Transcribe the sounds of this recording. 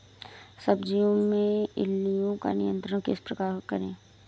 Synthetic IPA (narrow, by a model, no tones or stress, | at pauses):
səbd͡ʒijõmẽɪlːijõka̰nijə̃nt̪ɾəɽ̃keːspɾəkaːɾkɐɾẽː